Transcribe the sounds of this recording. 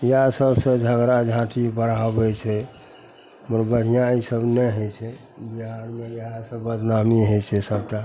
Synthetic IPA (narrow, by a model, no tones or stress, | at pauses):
jeɦasəbsə̃d͡ʒʱəɡɾad͡ʒʱãt̪ʰibəɽabɛt͡ʃʰɛ | məɾbəɽ̤ijãisəbnɛɦət͡ʃʰɛ | biɦaɾmejəɦasə̃bəd̪ʱnamiɦət͡ʃʰɛsəbʈa